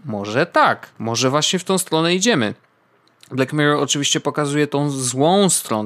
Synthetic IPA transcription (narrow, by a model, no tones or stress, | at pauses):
mɔʐɛt̪akmɔʐɛvwaɕɲɛft̪ɔ̃w̃st̪ɾɔnɛid͡ʑɛmɘ̰ | blɛkmɛɾɔɔt͡ʂɨvʲiɕt͡ɕɛpɔkazujɛt̪ɔ̃w̃zwɔ̃w̃st̪ɾɔn